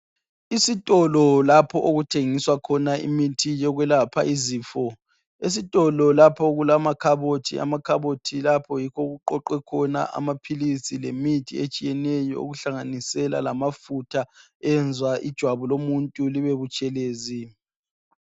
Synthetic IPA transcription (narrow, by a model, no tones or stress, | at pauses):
isitʼɔlɔlapʰɔʔoɣutʰeŋiswakʰɔnaḭmitʰijɔɣwɛlapʰa̰iziːfɔ | es̬itʼɔlɔlapʰɔɣulamakʰaβotʰḭa̰makʰaβotʰilapʰɔjikʰɔɣuǃɔǃɛkʰɔna̰ʔa̰mapʰilisilemitʰḭet͡ʃʼijɛnɛjɔ̰o̰ɣuɬaŋanisɛla̰lamafutʰa | ɛnd͡zʱwaʔḭd̥ʒ̥ʱwaβulomuntʼuliβeβut͡ʃʼɛleːzi